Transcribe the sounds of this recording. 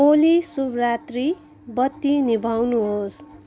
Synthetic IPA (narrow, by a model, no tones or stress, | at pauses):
olisubrat̪ri | bʌt̪ːinibʱawnuɦos